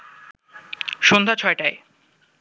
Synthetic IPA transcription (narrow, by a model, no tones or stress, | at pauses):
ʃond̪ʱat͡ɕʰɔeʈae